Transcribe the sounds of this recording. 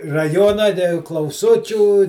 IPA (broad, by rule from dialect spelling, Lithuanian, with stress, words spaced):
rɐˈjoːnɐ tʲɛ klˠɐʊˈsʊt͡ʃʲuː